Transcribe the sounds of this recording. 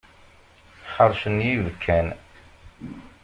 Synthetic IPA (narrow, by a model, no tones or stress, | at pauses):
ħəɾˤʃənjivkʰːæn